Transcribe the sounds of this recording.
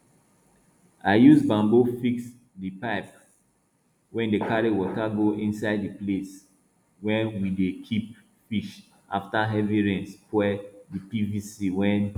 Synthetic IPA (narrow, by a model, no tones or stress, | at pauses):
aɪjusbãmbofiks | dipaɪp̚ | wɛ̃ndekaɾiwɔtaɡoʔĩnsaɪddiples | wɛ̃nwidekʰip̚ | fiʃ | ʔa̰ftaɦɛviɹɛ̃nspwɛdipivisiwɛ̃n